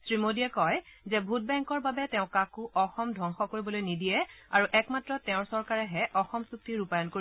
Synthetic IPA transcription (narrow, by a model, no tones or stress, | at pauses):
sɹimodijɛkɔjzɛbʱut̚bɛŋkɔɹbabɛtɛʊ̃kãkuʔɔxɔmdʱɔŋxɔkoɹibɔlojnidijɛaɹuʔɛkmatɹɔtɛʊ̃ɹsɔɹkaɹɛɦɛʔɔxɔmsuk̚tiɹupajɔnkoi